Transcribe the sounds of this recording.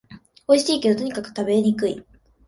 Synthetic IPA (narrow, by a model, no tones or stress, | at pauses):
o̞iɕiːkʲed̪ot̪oɲ̟ikakɯ̟̥t̪abe̞ɲ̟ikɯ̟i